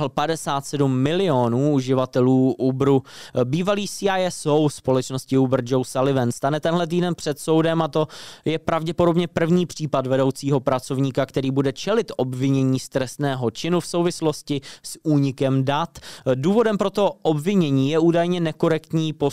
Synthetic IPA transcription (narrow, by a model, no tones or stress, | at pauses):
lpadɛsaːt̪sɛdumːɪlɪonuːuʒɪvat̪ɛluːʔubɾubiːvaliːsiajɛsowspo̞lɛt͡ʃno̞scɪubr̩d͡ʒowsalɪvɛnst̪anɛt̪ɛnɦlɛt̪̬iːdɛnpr̝̥ɛt̪so̞wdɛmat̪o̞jɛpɾavɟɛpodo̞bɲɛpr̩vɲiːpr̝̥iːpadvɛdo̞wt͡siːɦo̞pɾat͡so̞vɲiːkakt̪ɛɾiːbudɛt͡ʃɛlɪt̪ʔobvɪɲɛɲiːst̪ɾɛst̪nɛːɦo̞t͡ʃɪnufsowvɪslo̞scɪsuːɲɪkɛmdat̪duːvo̞dɛmpɾo̞t̪o̞ʔobvɪɲɛɲiːjɛʔuːdajɲɛnɛko̞ɾɛkt̪ɲiːpo